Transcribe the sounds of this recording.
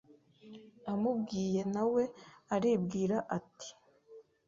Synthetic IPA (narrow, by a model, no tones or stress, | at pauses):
amubɡiːje̞nawe̞aɾiːbɡiːɾaʔati̥